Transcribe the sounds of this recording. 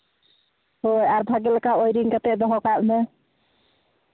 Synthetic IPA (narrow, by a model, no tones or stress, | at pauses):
ɦojaɾb̪ʱaɡelkaojɾiŋkat̪ed̪ɔɦɔkaʔme